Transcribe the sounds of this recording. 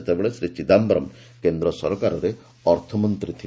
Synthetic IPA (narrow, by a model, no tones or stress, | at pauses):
et̪ebeɭesɾit͡ʃid̪ambɔɾɔm | kend̪ɾɔsɔɾɔkaɾɔɾe | ɔɾt̪ʰɔmɔnt̪ɾit̪ʰi